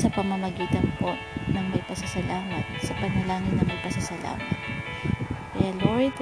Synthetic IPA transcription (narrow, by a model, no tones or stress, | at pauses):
sɐpɐmɐmɐɡiːt̪ɐnpoʔnɐŋmɐɡ̚pɐsɐsɐlʔaːmɐt̪̚sɐpɐnɐlaːŋɪnːɐŋmɐɡ̚pɐsɐsɐla̰ːmɐ̰t̪̚ | kɐjaloɹd̪